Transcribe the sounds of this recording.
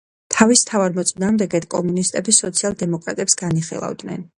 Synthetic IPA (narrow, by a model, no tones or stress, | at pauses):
t̪ʰavist̪ʰavaɾmɔt̪sʼnaːmd̪ɛɡɛt̪kʼɔmunist̪ʼɛbisɔt̪sʰialˠd̪ɛmɔkʼɾa̰t̪ʼɛpsɡ̥aniχḭlˠa̰vd̪nɛ̰n